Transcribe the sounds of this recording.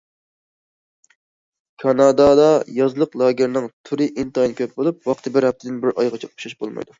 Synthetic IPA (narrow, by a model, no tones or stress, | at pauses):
kʰɑnɑd̪ɑd̪ɑjɑzlˠəqlˠɑːɡʲɪɾnɨŋt̪ʰuɾɪʔint̪ɑjnkʲʰøp̚bolˠup̚wɑqt̪ʰɨbɪɾhɛp̚t̪ʰɪd̪ɪnbɪɾɑjʁɑt͡ʃʰɛu̥ʃɑʃbo̰lˠmɑ̰jd̪u